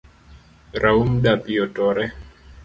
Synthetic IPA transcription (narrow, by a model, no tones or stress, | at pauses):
ɾaumdapijɔtɔɾɛ